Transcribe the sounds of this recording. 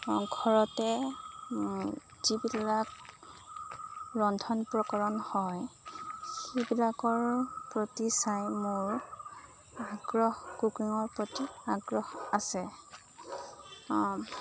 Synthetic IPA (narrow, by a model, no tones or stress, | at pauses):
ɡʱɔɹɔtɛ | zibillak | ɹɔndʰʱɔnpɹɔkɔɹɔnhɔj | xebilakɔɹpɹotisajmoɹ | aɡɹɔxkukiŋɔɹpɹotiaɡɹɔxasɛ